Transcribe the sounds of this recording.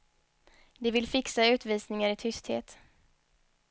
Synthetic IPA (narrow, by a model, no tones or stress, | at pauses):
d̪ɛvɪlfɪksaʉ̟ːt̪viːsnɪŋaɾɪt̪ʰʏst̪hḛːt̪